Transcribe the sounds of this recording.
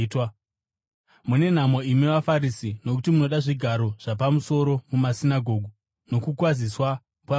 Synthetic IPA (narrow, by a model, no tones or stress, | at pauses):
twa | mune̞n̤amoimiʋafaɾisino̞kutimuno̞ɗaʐiɡʱaɾo̞ʐ̥apamuso̞ɾo̞mumasinaɡʱo̞ːɡʱu | no̞kukwaziswa | pwa